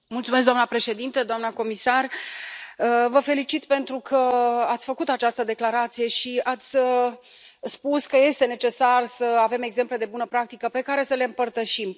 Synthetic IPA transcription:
multsume̞s̬d̪oanəapɾe̞ʃe̞d̪int̪əd̪oamnəko̞misar | əvəfe̞lit͡ʃit̪pe̞nt̪ɾukʰəat̪sʲfəkut̪at͡ʃast̪əd̪e̞klaɾat̪sije̞ʃiat̪sʲə | spuskəje̞st̪e̞net͡ʃe̞sarsəave̞me̞ɡze̞mple̞d̪e̞bunəpɾak̚t̪ikəpe̞kaɾe̞səle̞ɨmpərt̪əʃim

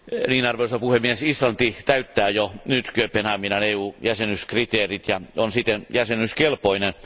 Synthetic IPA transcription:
niːnɑrʋeusɑpuhemːiesislɑnt̪it̪æyt̪ːæːjonyt̪køpenɑminɑneːuːjæsenyskrit̪eːrit̪jɑonsit̪ːenjæsenyskelpoinen

